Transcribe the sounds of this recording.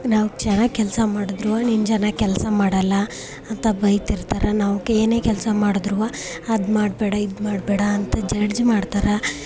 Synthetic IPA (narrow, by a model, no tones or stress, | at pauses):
naːʋukt͡ʃɐnɐkɛlsɐmaːɽud̪ɾuʋɐnind͡ʒɐnɐkɛlsɐmaːɽɐlːɐ | ɐnt̪ɐbɐjt̪iɾt̪aːɾɐnaːʋukːeeːne̞ːkɛlsɐmaːɽud̪ɾuʋɐ | ɐd̪maːɽbɛːɽɐid̪maːɽbɛːɽɐːnt̪ɐd͡ʒɐɾd͡ʒmaːɽt̪aːɾɐ